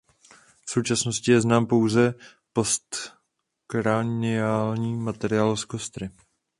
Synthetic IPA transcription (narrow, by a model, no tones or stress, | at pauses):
fso̞wt͡ʃasno̞scɪjɛznaːmpo̞wzɛ | post̪ | kɾanɪaːlɲiːmat̪ɛɾɪaːlskost̪ɾɪ